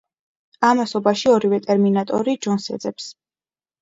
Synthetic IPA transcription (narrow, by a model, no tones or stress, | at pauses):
amasɔbaʃiɔɾivɛt̪ʼɛɾminat̪ʼɔɾid͡ʒɔnsɛ̰d̪zɛps